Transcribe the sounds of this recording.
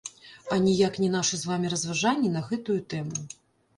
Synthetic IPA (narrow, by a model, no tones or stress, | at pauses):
ɐnʲijaknʲɛn̪aʂɨzvamʲiɾɐzvaʐanʲːinɐɣɛt̪ujut̪ɛmu